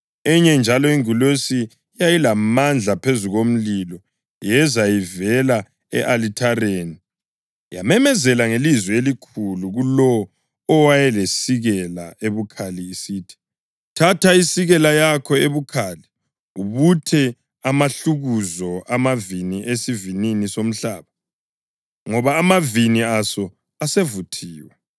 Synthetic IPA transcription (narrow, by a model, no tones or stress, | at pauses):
ɛɲɛnd͡ʒʱalɔiŋulesi | jajilamand͡ɮʱapʰezuɣom̩lilɔ | jɛzajivɛla | ɛ̰ʔalitʰareːni | ja̰mɛmɛzɛlaŋelizwɛelikʰuluɣulɔː | wajɛlesiɣɛlaeβukʰaliːsiːtʰi̥ | tʰatʰaisiɣɛlajakʰɔeβukʰali | uβutʰɛ | amaɬuɣuzɔʔamaviniʔesivininisom̩ɬaːβa | ŋɔβaːmaviniasɔ | asevutʰiːwɛ